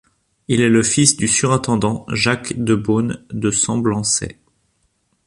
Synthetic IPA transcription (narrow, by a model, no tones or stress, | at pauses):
ilɛləfisd̪ysyʁɛ̃t̪ɑ̃d̪ɑ̃ʒakd̪əbond̪əsɑ̃blɑ̃sɛ̰